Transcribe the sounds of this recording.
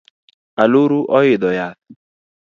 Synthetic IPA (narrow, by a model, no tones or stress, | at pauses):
aloɾuʔɔjed̪ɔjat̪̚